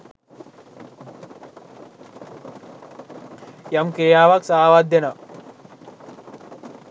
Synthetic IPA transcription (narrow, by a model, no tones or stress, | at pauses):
jɐmkɾijaːʋɐksaaʋaːd̪jɐnɐ